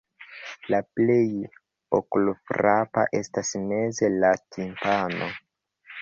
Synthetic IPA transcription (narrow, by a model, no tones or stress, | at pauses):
laple̞j | o̰kulfɾapa̰ʔe̞stasme̞ze̞latʰimpano̞